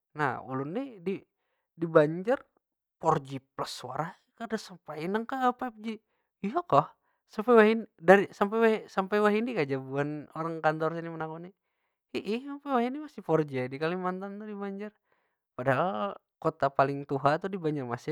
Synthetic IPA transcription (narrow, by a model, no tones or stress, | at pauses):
na̰hṵlunːidi | dibaɲd͡ʒar | pɔrd͡ʒipləsːua̰ɾah | kadasəmpainəŋkapap̚d͡ʒi | ijakɔh | sampawaɦindaɾisamp̬awasampajwaɦindikad͡ʒabuanoɾaŋkant̪ɔrsinimənakuni | iʔisampewaɦinimasipɔrd͡ʒiadikalimant̪ant̪udibaɲd͡ʒar | padaɦal | kot̪apalɪŋt̪uɦat̪udibaɲd͡ʒarmasi